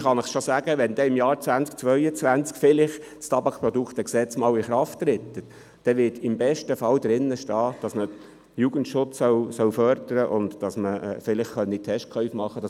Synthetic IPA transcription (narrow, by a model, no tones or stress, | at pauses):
χɑnɪχʃosæːɡ̥əʋɛnd̪ɛɪmjɑːɾt͡svænt͡sk̚t͡sʋœʏət͡sʋænt͡skfɪlɪχ | t͡stɑbɑkpɾɔd̪ukχt̪əksɛt͡smɑːlɪχɾɑftːɾɪt̪ːət | d̥ɛʋɪːtɪmbɛʃtəfɑwd̪ɾɪnːəʃtɑːd̥ɑsmə | juɡ̥əntʃʊt͡ssœwsœwfœɾdəɾəʔʊndd̥ɑsməfɪlɪχχœnːit̪ʰɛʃtkʰœʏfmɑχːəd̥ɑ